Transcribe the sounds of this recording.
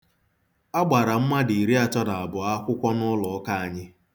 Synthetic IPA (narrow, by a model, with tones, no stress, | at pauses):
a˦ɡ͡ba˨ɾa˨m̩˦ma˦di˨i˨ɾi˦a˦tɔ˦na˨a˨bʊ˨a˦kʷʊ˦kʷɔ˦nʊ˦lɔ˨ɔ˦ka˦a˨ɲɪ˦